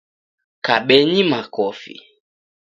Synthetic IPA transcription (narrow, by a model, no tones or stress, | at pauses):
kaɓɛɲimakɔfḭ